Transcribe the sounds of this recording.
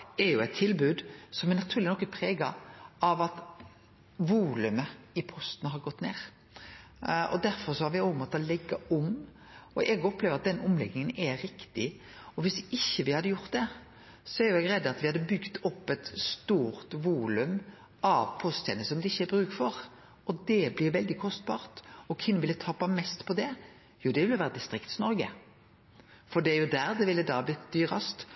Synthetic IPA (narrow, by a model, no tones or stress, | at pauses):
ɛɾjʊɛɪt̪ʰːɪlbʉːd̪sɔmɛɾnɑt̪ʰʉːlɪnɔkːɛpʰɾeːɡɑɑʋɑt̪ | ʋuːlʉmə | ɪpʰɔst̪nəɦɑɾɡɔt̪ːneːɾ | ɔ̰d̪æɾfɔɾsɔhɑɾʋɪoːəmɔt̪ːɔlɛɡːɑʊm | ɔʔɛɡɔpleːʋəɾɑt̪̚d̪ɛnʔʊmlɛɡnɪŋənɛɾɪkt̪ɪ | ɔʋɪsɪçːəʋɪhɑd̪ːəjʊɾt̪̚d̪ɛ | sɔæɾjʊɛːɡɾɛd̪ːɑt̪ʋɪhɑd̪ːəbʏɡt̪ɔpːɛt̪st̪uːɾt̪ʋuːlʉm | ɑʋpʰɔst̪ʰɛ̰nəsɔmd̪ɛɪçːəɛbɾʉːkfɔɾ | ɔd̪ɛblɪɾʋɛld̪ɪkʰɔst̪bɑːɾt̪ɔkʰʋɪnːəʋɪlːət̪ʰɑpːɑmɛst̪pʰɔd̪ɛ | juːd̪ɛʋɪlːəʋæːɾəd̪ɪst̪ɾɪkt̪snɔɾɡə̰ | fɔɖ̪ɛæɾjʊd̪æːɾd̪ɛʋɪlːəd̪ɑːɑblɪt̪d̪yːɾɑst̪